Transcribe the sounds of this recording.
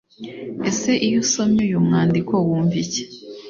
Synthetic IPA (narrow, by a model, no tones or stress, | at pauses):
ese̞ʔijusomɲujumŋaːndikowuːɱvice̥